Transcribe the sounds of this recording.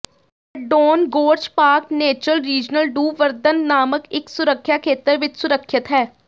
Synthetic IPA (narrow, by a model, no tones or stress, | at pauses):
əɖoːnɡoːɾd͡ʒpaːkneːt͡ʃɾəlɾiːd͡ʒnəlɖuːʋəɾd̪ənːaːməkɪksʊɾəkʰːjaːkʰeːt̪əɾʋɪt͡ʃsʊɾəkʰːɪt̪ɦɛː